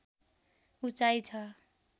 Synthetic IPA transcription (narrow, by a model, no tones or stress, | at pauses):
ut͡ʃajt͡ʃʰʌ